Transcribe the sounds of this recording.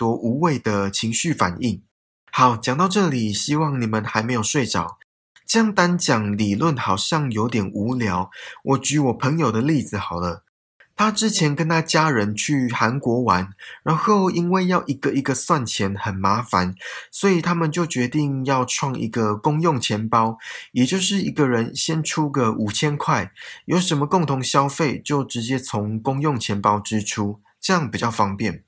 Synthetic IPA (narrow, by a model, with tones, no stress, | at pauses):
t̪wɔ˧˥ʔu˧˥we˥˩ɪd̪ə˩t͡ɕʰi˧˥ŋɕy˥˩fa̰˨˩ni˥˩ŋ | xɑ˨˧˦ʊt͡ɕjɑ˨˩ŋt̪ɑ˥˧ʊʈ͡ʂɤ˥˩li˨˩ɕi˦˥wɑ˥˩ŋni˨˩mə˨nxa˧ɪme˧ɪjo˨˩ʊʂwe˥˩ɪʈ͡ʂɑ˨˩ʊ | ʈ͡ʂə˥˧jɑ˥˩ŋt̪a˦nt͡ɕjɑ˨˩ŋli˨˩lwə˥˨˩nxɑ˨˩ʊɕjɑ˥˩ŋjo˧˥ʊt̪jɛ˨˩nʔu˧˥˦ljɑ˧˥ʊwʔɔ˨˩t͡ɕy˨˥wɔ˨˩pʰə˧˥ŋjo˨˩d̪ə˨li˥˩d͡z̩˨˩xɑ˨˩ʊlə˦ | t̪ʰa˦ʈ͡ʂɻ̩˥˦t͡ɕʰjɛ˧˦nkə˦˥nt̪ʰa˥t͡ɕja˥ɻə˧˦nt͡ɕʰy˥˩xa˧˦˥nkwɔ˧˥wa˧˦nɻa˧˦nxo˥˨˩ʊi˦˥nwe˥˧ɪjɑ˥˧ʊʔi˧˥ɡ̥ə˨i˧˥ɡə˧swa˥˨nt͡ɕʰjɛ˧˦˥nxə˨˩nma˧˥fa˨˦nswɔ˧˥i˨˩t̪ʰa˥mə˨nt͡ɕjo˥˩ʊt͡ɕɥɛ˧˥t̪i˥˧ŋjɑ˥˧ʊʈ͡ʂʰwɑ˥˩ŋʔḭ˧˥ɡə˨kʊ˥ŋjo˥˨˩ŋt͡ɕʰjɛ˧˥npɑ˦ʊjɛ˨˩t͡ɕjo˥˧ʊʂɻ̩˥˩i˧˥ɡə˨ɻə˧˦nɕjɛ˦nʈ͡ʂʰu˥ɡə˨ʔu˨˩t͡ɕʰjɛ˦˥nkʰwa˥˩ɪjo˧˩ʊʂə˧˥nmə˧kʊ˥˩ŋt̪ʰʊ˧˥ŋɕjɑ˦˥ʊfe˥˩ɪt͡ɕjo˥˩ʊʈ͡ʂɻ̩˧˦t͡ɕjɛ˦˥t͡sʰo˧˥ŋkʊ˥ŋjo˥˩ŋt͡ɕʰjɛ˧˥npɑ˥ʊʈ͡ʂɻ̩˦ʈ͡ʂʰu˥ | ʈ͡ʂɤ˥˧jɑ˥˩ŋpi˨˩t͡ɕjɑ˥˩ʊfɑ˥ŋpjɛ˥˩n